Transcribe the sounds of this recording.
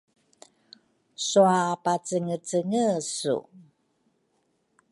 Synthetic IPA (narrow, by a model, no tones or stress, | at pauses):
suapat͡səŋət͡səŋəsṵ